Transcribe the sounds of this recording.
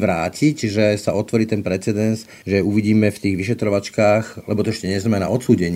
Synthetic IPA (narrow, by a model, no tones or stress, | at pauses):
ʋɾaːcicʒɛsaɔt̪ʋɔɾiːt̪ɛnpɾɛt͡sɛd̪ɛns | ʒɛuʋiɟiːmɛft̪iːɣʋiʃɛt̪ɾɔʋat͡ʃkaːxlɛbɔt̪ɔɛʃcɛɲɛzamɛna̰ʔɔt̪suːɟɛɲ